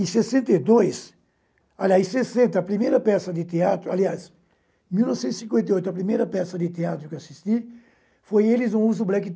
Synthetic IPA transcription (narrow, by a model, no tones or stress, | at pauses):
ɪ̃sesẽnt̪ejd̪ojs | aliajsesẽnt̪ɐɐpɾimejɾɐpɛsɐd̪ɪt̪eat̪ɾʊalias | miwnɔvsẽt̪isĩkwẽnt̪ejojt̪ʊɐpɾimejɾɐpɛsɐd̪ɪt̪eat̪ɾʊkewasist̪i | fojelɪzũuzʊblɛkɪ